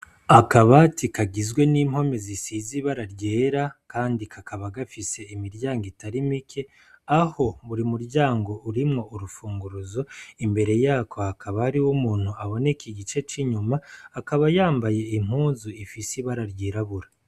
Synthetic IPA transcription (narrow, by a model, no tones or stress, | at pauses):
akaβatikaɡizɡwe̞niːm̥ho̞me̞zisiːziβaɾaɾɟeːɾakaːndikʰakʰaβaɡafise̞imiɾɟaːŋɡitaɾimikʰe̞ | aho̞βuɾimuɾɟaːŋɡo̞ʔuɾimŋo̞uɾufuːŋɡuɾuzo̞imbe̞ɾe̞jaːkʰohakʰaβahaɾiwumuːn̥huaβo̞nekiɡit͡ʃe̞t͡ʃiɲumaːkaβajaːmbaje̞im̥huːnzuifisiβaɾaɾɟeːɾaβuɾa